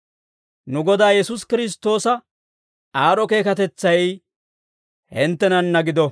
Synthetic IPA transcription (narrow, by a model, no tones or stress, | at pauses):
nʊɡɔd̪aːjɛsʊskɪɾɪs̬t̪o̞ːsɐ | aːɾɔke̞ːkɐt̪ɛt͡sːɐj | hɪnt̪ːɛnɐnːɐɡɪd̪ɔ